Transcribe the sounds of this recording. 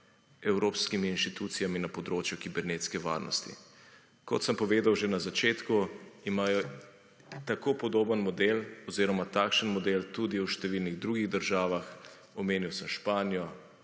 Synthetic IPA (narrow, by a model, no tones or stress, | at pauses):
ɛwɾoːpskimiːnʃt̪it̪ut̪sijaminapɔd̪ɾoːt͡ʃjukibɛɾneːt̪skɛʋa̰ːɾnɔ̰st̪ḭ | kɔt̪səmpɔʋeːd̪awʒenazat͡ʃeːt̪kuimaːjɔ | t̪akopɔd̪oːbənmɔd̪elɔziːɾɔmat̪aːkʃənmɔd̪eːlt̪ud̪iuʃt̪ɛʋiːlniɣd̪ɾuːɡiɣd̪əɾʒaːʋax | ɔmeːniwsəmʃpaːnijɔ